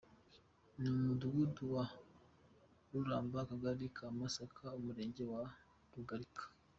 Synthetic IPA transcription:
numuduɡuduwa | ɾuɾaːmbakaɡaɾikʰamasakʰaumuɾeːɲɟewa | ɾuɡaɾikʰḁ

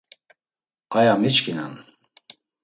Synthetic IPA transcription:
qʼajamit͡ʃkʰina̰n

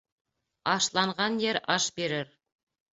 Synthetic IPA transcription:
ɑʃlˠɑɴʁɑnjeɾɑʃbe̞ɾɪɾ

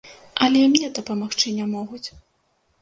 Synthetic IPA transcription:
ʔɐlʲɛmnʲɛd̪ɐpɐmaxt͡ʂɨnʲamɔɣut͡sʲ

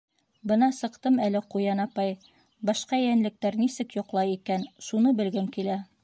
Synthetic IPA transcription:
bɤ̆nɑsɤ̆qt̪ɤmælɘqujɑnɑpɑj | bɑʃqɑjænlɘ̆k̚t̪æɾnisɘkjŏqlˠɑjikænʃunɤbɘ̆lɡɘmkilæ

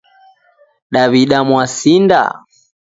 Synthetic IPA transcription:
ɗaβiɗamwasinda̰

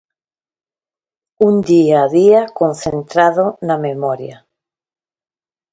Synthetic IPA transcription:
und̪iaðiakõnθẽnt̪ɾaðonamemɔɾja

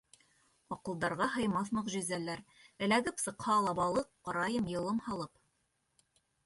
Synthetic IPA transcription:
ɑqɤ̆lˠd̪ɑɾʁɑɦɤ̆jmɑθnˠɤqʒɵ̆zælæɾɘ̆læɡɘpsɤ̆qhɑlˠɑbɑlˠɤqːɑɾɑjɤmjɤ̆lˠɤmhɑlˠɤp

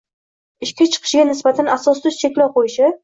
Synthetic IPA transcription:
ɪʃkʲat͡ʃʰɨ̥qʰɨ̥ʃɡʲanɪsbat̪ʰanasɒst̪ʊzt͡ʃʰe̞kʲlɒwqʰojɪʃɪ

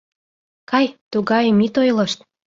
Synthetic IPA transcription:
kɑjt̪uɣɑjmit̪ojlɤ̆ʃt̪

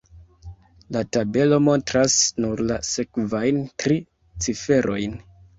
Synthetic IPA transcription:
latabe̞lo̞mo̞ntɾasnuɾlase̞kvajntɾi | t͡sife̞ɾʔo̞jn

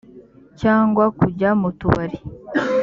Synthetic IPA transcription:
caːŋɡwakuɟamutuβaɾi

